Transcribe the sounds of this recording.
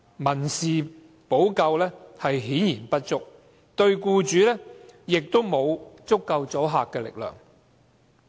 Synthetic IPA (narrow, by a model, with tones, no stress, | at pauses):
mɐ˨˩nsiː˨ | po˨˥wkɐ˧wlɛː˥hɐ˨jɦiː˨˥njiː˨˩npɐ˥t̚t͡sʊ˥k̚ | t̪ɵ˧ɥkuː˧t͡ʃyː˨˥lɛː˥jɪ˨k̚t̪o˥wmo˨˧wt͡sʊ˥kːɐ˧wt͡sɔː˨˥ɦaː˨kːɛː˧lɪ̰˨k̚lœ̰ː˨˩ŋ